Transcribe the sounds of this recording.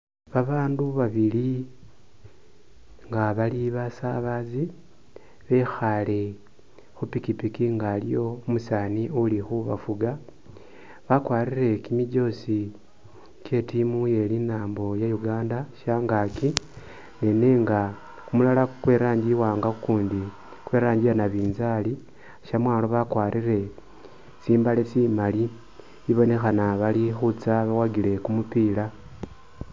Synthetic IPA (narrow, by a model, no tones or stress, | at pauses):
βaβaːnduβaβili | ŋɡaβaliβasaβazi | βe̞xale̞ | xupikipikiŋɡaːlḭjo̞musaːniolixuβa̰fuɡa | βakwaːrire̞kimiɟo̞si | ke̞timuje̞linaːmbo̞jajuɡaːndaʃaːŋɡaki | neneːŋɡa | kumulalakwe̞ɾaːɲɟiwaːŋɡaukuːndi | kwe̞ːɾaːɲɟijanaβiːnzali | ʃamwaːloβakwaːɾire̞ | siːmbalesimali | iβo̞ne̞xanaβalixut͡saβawaɡile̞kumupila